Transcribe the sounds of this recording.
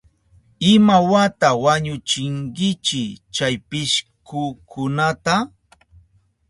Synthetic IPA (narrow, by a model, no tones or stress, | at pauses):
ɪmawat̪awaɲʊt͡ʃɪŋkɪt͡ʃɪt͡ʃajpɪʃkʰʊkʰʊnat̪a